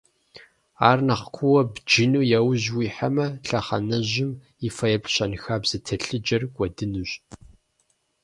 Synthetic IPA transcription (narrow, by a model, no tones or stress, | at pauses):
aːrnɐχkʷʰʊwɐbd͡ʒinuːjɛwʑwiːħamɐɬɐχɐ̰nɐʑɪm | ifɐjɛpɬɕɐnxaːbz̥ɨtʰɐɬɨd͡ʒɐrɡʷʼɔdɨnuɕ